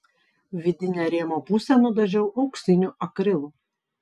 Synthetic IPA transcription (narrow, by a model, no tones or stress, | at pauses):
ʋʲɪd̪ʲɪnʲæɾʲiɛmoːpʊsʲɛnʊd̪ɐʒʲɛʊʔɐʊksʲɪnʲʊʔɐkɾʲɪlˠʊ